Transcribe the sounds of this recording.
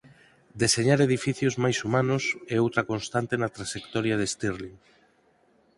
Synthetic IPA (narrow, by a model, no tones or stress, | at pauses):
d̪eseɲaɾeð̞ifiθjozmajsumãnʊseowt̪ɾakonst̪ant̪enat̪ɾaʃekt̪ɔɾjaðest̪iɾli